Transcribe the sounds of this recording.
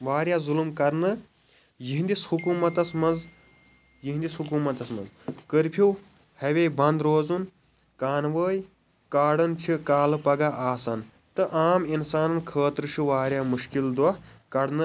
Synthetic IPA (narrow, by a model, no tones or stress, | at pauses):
ʋaːɾjaːzulmkɐɾnɨ | jiɦind̪ishukuːmɐt̪ɐsmɐnz | jiɦind̪ishukuːmɐt̪ɐsmɐ̰nzkəɾpʰiw | hɐʋeːbɐnd̪ɾoːzun | kaːnʋəːj | kaːɽɐnt͡ʃʰikaːlɨpɐɡaʔaːsɐn | t̪ɨʔaːminsaːnɐnkʰəːt̪ɾɨt͡ʃʰuʋaːɾjamuʃkild̪wɐkɐɽnɨ